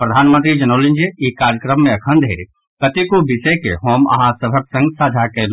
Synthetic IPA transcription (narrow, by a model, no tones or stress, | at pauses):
pɾəd̪ʱaːnmənt̪ɾid͡ʒənoːlĩnd͡ʒiikaɾjəkɾəmːẽɐkʰə̃nd̪ʱɦeɾi | kət̪ikobɪsəkḛɦoːmɐ̰ɦãsəbʱəksə̃ŋɡsaːd͡ʒʱakel